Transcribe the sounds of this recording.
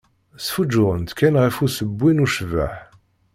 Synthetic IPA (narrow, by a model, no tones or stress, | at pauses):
sfud͡ʒːʊʁənt̪kːænʁifusəbːinuʃva̰ħ